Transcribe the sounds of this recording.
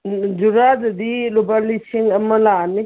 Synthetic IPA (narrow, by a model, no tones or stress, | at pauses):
d͡ʒuɾadɐdilubalisiŋɐmɐlani